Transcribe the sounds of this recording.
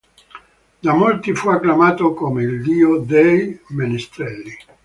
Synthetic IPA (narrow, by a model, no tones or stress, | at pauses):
d̪amolt̪ifuakːlamaːt̪okomeild̪iːod̪ejmenist̪ɾɛlːi